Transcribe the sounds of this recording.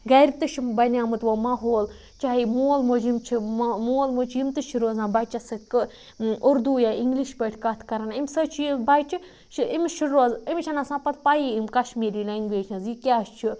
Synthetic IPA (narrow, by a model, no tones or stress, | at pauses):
ɡɐɾʲit̪ɨʃimbɐnʲaːmɨt̪ʋomɐɦoːl | t͡ʃaːɦimoːlmod͡ʒimt͡ʃʰimoːlmot͡ʃʰimt̪ɨʃiɾoːzãːnbɐt͡ʃɐsɨkɨ | uɾd̪ujaiŋɡliʃpɐʈʰkɐt̪ʰkɐɾɐnimʲsət͡ʃʰijibɐjt͡ʃi | ʃiimiʃiɾoːzimt͡ʃʰɐnasãːpɐt̪pajiimkɐʃmiːɾiːlaiŋɡʋeːʃɐ̃nzikʲaːst͡ʃʰi